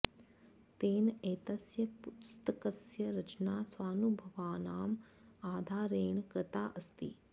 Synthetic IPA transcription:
t̪eːneːt̪ɐsjɐpust̪ɐkɐsjɐɾɐt͡ʃnaːswaːnubʱɐʋaːnaːm | aːd̪ʱaːɾeːɳkɾɪt̪aːʔɐst̪ḭ

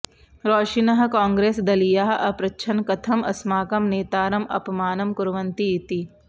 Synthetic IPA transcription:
ɾoːʃinɐɦkãːŋɡɾeːsd̪ɐlijaːɦɐpɾɐtːʃʰɐnkɐt̪ʰɐmɐ̰smaːkɐmneːt̪aːɾɐmʔɐ̰pɐmaːnɐmkʊɾʋɐnt̪iɪt̪i

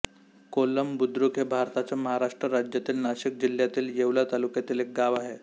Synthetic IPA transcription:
koləmbud̪ɾukɦebʱaɾt̪at͡ɕjaməɦaɾaʂʈɾəɾad͡ʑjat̪iːlnaɕik̚d͡ʑil̤jat̪iːljeʋlat̪alukjat̪iːlek̚ɡaʋaɦe

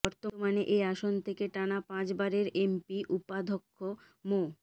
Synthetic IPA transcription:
ɔɾt̪omaneʔeaʃont̪ʰekeʈanapãt͡ɕbaɾeɾempiʔupad̪ʱokʰːo | mo

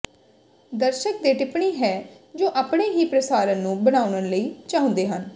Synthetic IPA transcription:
d̪əɾʃək̚d̪eːʈɪpɳiːɦɛː | d͡ʒoːʔaːpɳeːɦiːpɾəsaːɾənːũːbəɽ̃aːʊnənləiːt͡ʃaɦõnd̪eːɦən

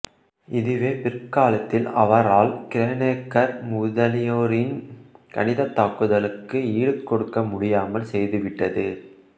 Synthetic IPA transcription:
ɪðɯʋeːpɪrkːaːlɐt̪ːɪlɐʋɐɾaːlkɪɾeːneːkːɐɾmʊːðɐlɪjoːɾɪnkɐ̰nɪðɐt̪ːaːkːɯðɐlɯkːɯiːɽɯkːɔɽɯkːɐmʊɽɪjaːmɐlsɛjðɯʋɪʈːɐðɯ

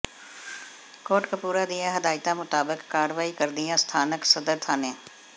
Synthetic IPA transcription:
koːʈkapuːɾad̪ɪjãɦəd̪aːɪt̪amʊt̪aːbəkːaːɽʋaːikəɾd̪ɪjãːst̪ʰaːnəksəd̪əɾt̪ʰaːnẽː

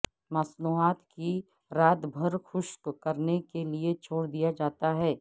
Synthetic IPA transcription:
mɐsnuːɦaːt̪ki | ɾaːd̪bʱɐɾxʊʃkkɐɾnekeliet͡ʃʰoːɽd̪ijad͡ʒaːt̪aɦɛː

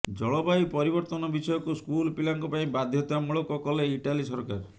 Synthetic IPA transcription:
d͡ʒɔɭɔbajpɔɾibɔɾt̪ɔnɔbisɔjɔkuskulpilaŋkɔpaĩbad̪ʱjɔt̪amuɭɔkɔkɔleiʈalisɔɾɔka̰ɾ

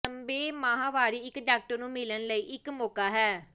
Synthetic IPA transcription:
əmbeːmaːɦãːʋaːɾiːɪkɖaːk̚ʈəɾnũːmɪlənləiːʔɪkmoːkaːɦɛː

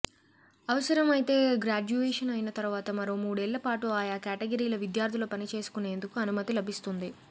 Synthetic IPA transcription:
ɐʋɐsɐɾɐmɐjt̪e̞ːɡɾaːd͡ʒuʋeːʂɐnɐjinɐt̪ɐɾuʋaːt̪ɐmɐɾo̞ːmuːɽɛːɭːɐpaːʈuaːjaːkaːʈeɡɐɾiːlɐʋid̪jaːɾt̪ʰiloːpɐnit͡ʃe̞ːsu̥kune̞ːnd̪ukuɐnumɐt̪ilɐbʱist̪und̪i

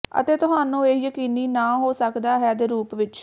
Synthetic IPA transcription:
ə̰t̪eːt̪ʊɦaːnũːeːjəkiːniːnaːɦoːsəkd̪aːɦɛːd̪eːɾuːpʋɪt͡ʃ

